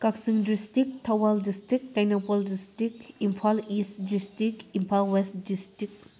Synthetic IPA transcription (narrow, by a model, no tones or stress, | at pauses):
kaksiŋdɾistik̚tʰawaldistɾik̚tajnapoldistɾikimpʰalistdistikimpʰalwestdistɾik